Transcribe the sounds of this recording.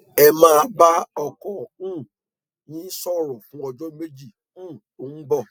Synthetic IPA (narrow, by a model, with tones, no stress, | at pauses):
ɛ˧mãː˦˧˦ba˦ɔ˧kɔ˨ũ˦˨ | nĩ˨˦sɔ˦˨ɾɔ˨fũ˨˦ɔ˧d͡ʒɔ˦me˦d͡ʒi˦˨ | ũ˦˨ | o˨ŋ̩̃˦ɡ͡bɔ˦˨